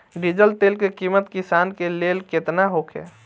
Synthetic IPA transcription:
ɖid͡ʒəlt̪eːlkekiːmət̪kɪsaːnkeleːlket̪naɦoːkʰḛː

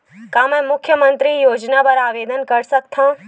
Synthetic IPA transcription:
kamẽmʊkʰjəmənt̪ɾijoːd͡ʒnabəɾaːʋeːd̪ənkəɾsəkt̪ʰã

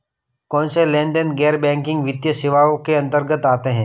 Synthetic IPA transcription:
kɔːnselɛ̃ːnɖənɡɛːɾbɛ̃ːŋkɪ̃ŋɡʋɪd̪jəsɪʋaːõkeɐ̃nt̪əɾɡət̪aːt̪eɦɛ̃ː

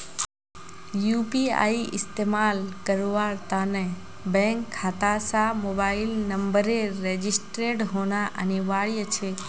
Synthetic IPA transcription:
jupia̰ːiʔɪst̪eːmaːlkəɾoʋaːɾt̪anɛ | bɛ̃ŋkʰːaːt̪asãmoːbaːɪlnə̃mbəɾeɾed͡ʒɪsʈɾeʈɦoːnaʔəneʋaːɭijət͡ʃʰe

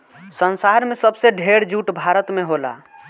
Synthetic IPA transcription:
sənsaɾmesəbseɖʱeɽd͡ʒuʈbʱaɾət̪meɦola̰

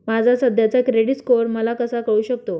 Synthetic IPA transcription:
mad͡zʱasəd̪ʱjat͡sakɾeɽiskoɾməlakəsakəɭuːɕək̚t̪o

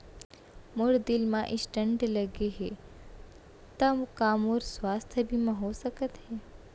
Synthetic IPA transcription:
mʊɽd̪ɪlmãʔɪsʈəɳʈləɡeɦe | t̪ɐmkaːmoːɾsʋaːst̪ʰəbʱimɐ̃ɦosəkət̪ɦe

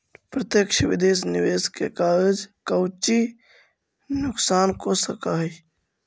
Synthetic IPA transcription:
pɾət̪jəkʃʰʋid̪eːsniʋeːskekaːɾd͡ʒkəʊt͡ʃi | nʊksaːnkosəkaɦ

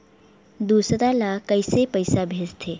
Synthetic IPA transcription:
d̪uːsət̪alakəisepəjsabʱeːd͡ʒt̪ʰeː

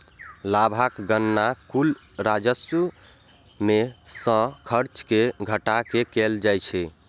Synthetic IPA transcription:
labʱakɡənːakul | ɾad͡ʒəsu | mesə̃kʰəɾt͡ʃkeɡʱəʈakekeld͡ʒajt͡ʃʰɛ

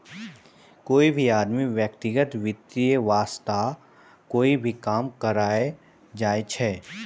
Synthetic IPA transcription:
koːibʱiaːd̪miʋjəkt̪ɪɡət̪ʋɪt̪ːijəʋaːst̪a | koːibʱikaːmkəɾaːe | d͡ʒaːet͡ʃʰɛː

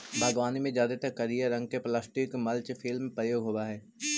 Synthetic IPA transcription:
bʱaːɡʋaːnimẽd͡ʒjaːd̪et̪ɐkːɐɾijəɾɐ̃ŋɡ̚keplaːsʈɪkmɐlt͡ʃfʰɪlmpɾəjoːɡɦoːaɦɛː

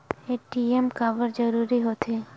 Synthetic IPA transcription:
eːʈiemkaːbəɾd͡ʒəɾuːɾiɦot̪ʰe

